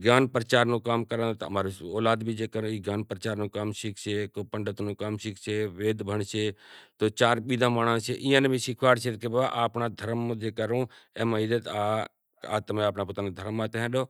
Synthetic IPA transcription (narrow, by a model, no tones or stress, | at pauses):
ɡjaːnpɾət͡ʃaːɾnũːkaːmkəɾãːt̪ə̰maːɾooːlaːd̪bʱiːd͡ʒeːkəɾõːiːɡjaːnpəɾət͡ʃaːɾnũːkaːmʃɪkʰsʰeːkoːpəɳɖət̪nũːkaːmʃɪkʰseːʋeːd̪bʱəɳseːt̪oːt͡ʃaːɾɓiːd̪ʱãːmaːɳ̃ãːt͡ʃʰeʔɪ̃ːjãːnbʱiːʃɪkʰʋaːɽt͡ʃʰet̪kebaaʔaːpnaːd̪ʱəɾmːd͡ʒeːkəɾõːeːmãiːd̪eːt̪aː | a̰ːt̪əmẽaːpnaːpot̪aːned̪ʱəɾmːãt̪eɦɛ̃ːɗoː